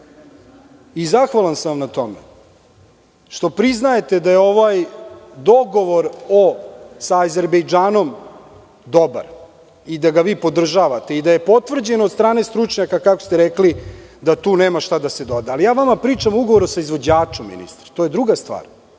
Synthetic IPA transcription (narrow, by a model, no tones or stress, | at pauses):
izaxʋalansamnat̪o̞mḛ | ʃt̪o̞pɾiznaje̞t̪ed̪ajeo̞ʋajd̪o̞ɡo̞ʋo̞ɾosaːze̞ɾbejd͡ʒaːno̞m | d̪o̞ba̰ɾ | id̪aɡaʋiːpo̞d̪r̩ʒaʋat̪e̞id̪aje̞po̞t̪ʋr̩d͡ʑenoːd̪st̪ɾaːnest̪ɾut͡ʂɲakakakost̪eɾeklid̪at̪uːneːmaʃt̪ad̪ased̪o̞d̪ealijaːʋamapɾiːt͡ʂamuɡoʋoɾusaizʋo̞d͡ʑaːt͡ʂomːḭnḭst̪ɾḁt̪o̞ːje̞d̪ɾuɡast̪ʋa̰ːɾ